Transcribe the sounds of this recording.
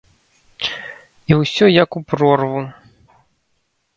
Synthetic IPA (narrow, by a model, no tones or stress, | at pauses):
iwsʲɔjɐkupɾɔrvu